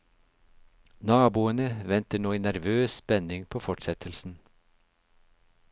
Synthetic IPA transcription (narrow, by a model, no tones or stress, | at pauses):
nɑːbuːənəʋɛnt̪əɳoːiːnæɾʋøːsspɛnɪŋpʰoːfɔʈsɛt̪ʰəlsn̩